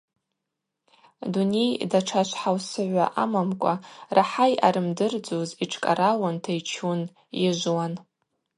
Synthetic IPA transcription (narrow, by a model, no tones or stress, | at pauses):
dune̞jdaʈ͡ʂʰaʃʷħawsɨʕʷa̰ʔamamkʷʼarʔaħaja̰ɾɨmdɨrd͡zoziʈ͡ʂʰkʼa̰ɾawantʰajt͡ʃʰun | jɪʒʷwan